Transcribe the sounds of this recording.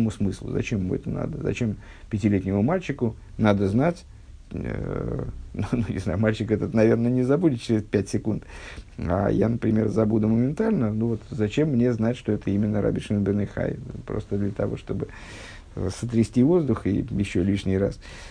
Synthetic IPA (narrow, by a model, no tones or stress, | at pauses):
mʊsmɨslˠʊ̰zɐ̰t͡ɕemːṵɛ̰t̪əna̰d̪əzɐ̰t͡ɕe̞m | pʲɪtʲɪlʲet̪ʲnʲɪmʊmalʲt͡ɕɪkʊ | nad̪əznatʲ | nununʲɪ̰znajʊmalʲt͡ɕɪkɛt̪ət̪nɐvʲernənʲɪzɐbudʲɪt̪̚t͡ɕɪɾʲɪspʲætʲsʲɪkunt̪a̰ja̰nəpɾʲɪmʲe̞rzɐbud̪ʊməmʲɪnt̪alʲnənuvo̞t̪zɐt͡ɕe̞mːnʲe̞znatʲʂt̪o̞ɛt̪əimʲɪnːəɾʔa̰bʲɪʂɨnbʲənɨxa̰jpɾo̞̰st̪əd̪lʲət̪ɐvo̞̰ʂt̪o̞bɨ | sət̪ɾʲɪsʲtʲivo̞zd̪ʊxḭjɪɕːolʲiʂnʲɪjɾa̰s